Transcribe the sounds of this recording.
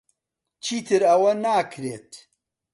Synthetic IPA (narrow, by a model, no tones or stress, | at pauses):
t͡ʃʰiːt̪ʰɨɾɐwɐnaːkʰɾeːt̪